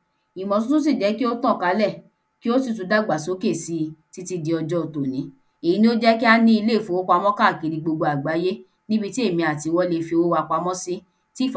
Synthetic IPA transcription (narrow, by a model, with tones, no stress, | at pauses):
i˨mɔ̃˨s̬ũ˦tũ˦s̬i˦˨d͡ʒɛ˨˦ki˦o˦tɔ̃˦˨ka˨˧˦lɛ˦˨ | ki˦o˦s̬i˦˨t̬u˨˧˦da˦˨ɡ͡ba˨so˨˦ke˦˨si˨˦˧ti˦ti˧di˧ɔ˧d͡ʒɔ˦o˨to˨nĩ˨˦ | e˨i˨˦nĩ˦o˦d͡ʒɛ˦ki˦a˧nĩ˧˦i˧le˦˨fo˨˦o˦kʷa˧mɔ̃˦ka˦˨ki˨˧ɾi˧ɡ͡bo˧ɡ͡bo˧a˨ɡ͡ba˨˦je˦ | nĩ˦bi˧ti˦e˦˨mĩ˧a˨ti˧wɔ˦le˧fi˧wo˦wa˧k͡pa˧mɔ̃˦si˦ | ti˦˨f